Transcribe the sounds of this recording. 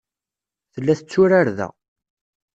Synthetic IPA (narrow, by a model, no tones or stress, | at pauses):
θəlːæθət͡sːʊɾaɾðæ̰